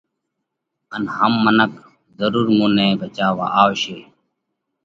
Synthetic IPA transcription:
ənhəmːənək | zəɾuːɾmũːnẽːbʱət͡ʃaːʋa̰ːʔaːoʃeː

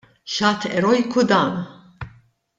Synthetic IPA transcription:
ʃɐːt̪ɛɾɔjkud̪ɐːn

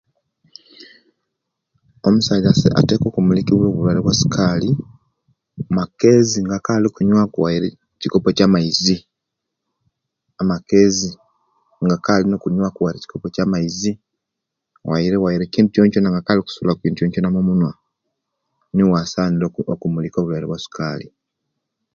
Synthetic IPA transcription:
o̞musazasḛa̰te̞ːko̞ːkumulikiβwoːβulwaleβwasi̥kʰali | make̞ziŋɡakaːliokuɲwakuwaiɾe | ciko̞pocamaizi | amake̞ːzi | ŋɡakalino̞kuɲwakuwaiɾeci̥ko̞pocaːmaizi | wa̰iɾe̞wajiɾeciːnducoːnconaŋɡakaːlioku̥sulakiːndujoːnconamomunwa | niwasaːnilookumuliko̞βulwaleβwasi̥kaːli

